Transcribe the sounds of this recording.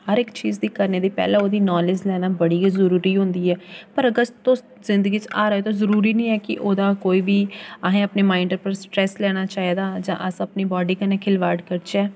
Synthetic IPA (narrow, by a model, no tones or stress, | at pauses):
həɾɪkt͡ʃiːzd̪iːkəɾneːd̪iːpɛ̰ːlãːoːd̪iːnaːled͡ʒlɛːnaːbəɽiːizəɾuːɾiːɦõnd̪iːɛːpəɾəɡəst̪t̪õː | zɪ̃nd̪əɡiːt͡ʃaːɾəːeːt̪̬õːzəɾuːɾiːnĩːɛːkɪ̰ʔoːd̪aːkoːiːʋiːaɦẽːəpneːmaːɪɳɖəɾpəɾsʈɾɛːslɛːɽ̃aːt͡ʃaːiːd̪aːd͡ʒã̰ːʔəsəpneːbɔːɖiːkəneːkʰɪlʋaːɾɖkəɾt͡ʃɛː